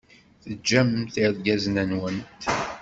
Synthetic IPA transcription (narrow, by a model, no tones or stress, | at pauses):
θəd͡ʒːæmθiðɡæznænwənt̪